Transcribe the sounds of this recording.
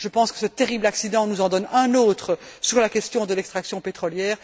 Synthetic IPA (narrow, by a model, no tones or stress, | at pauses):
ʒəpɑ̃skə̥sət̪eʁiblaksid̪ɑ̃nuzɑ̃d̪ɔnɛ̃noːt̪χəsyʁlakʲɛst̪jɔ̃d̪əlɛkst̪χaksjɔ̃pet̪χɔljɛːʁ